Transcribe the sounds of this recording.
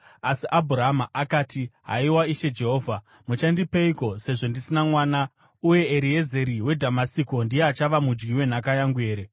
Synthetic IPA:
asiʔabʱuraɦamaʔakaːtiɦa̰iwaiʃe̞d͡ʒe̞ɦo̞ːvʱa | mut͡ʃandipeiko̞se̞ʐo̞ndisinamwaːna | uje̞ːɾije̞ze̞ɾiwe̞dʱamasiko̞ndijeat͡ʃaʋamud͡ʒɡiwe̞n̤akajaŋɡue̞ːɾe

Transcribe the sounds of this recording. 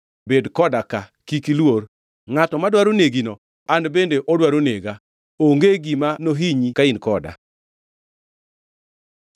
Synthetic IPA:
bedkɔdakakikilwor | ŋatɔmadwaɾoneɡinɔ | anbendeʔɔdwaɾoneɡa | oŋɡeɡimanoɦiɲikainkɔda̰

